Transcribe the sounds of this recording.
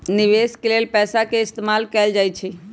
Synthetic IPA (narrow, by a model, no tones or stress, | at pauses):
niʋeskelelpɛsakeɪst̪emalkɛld͡ʒajt͡ʃʰɛ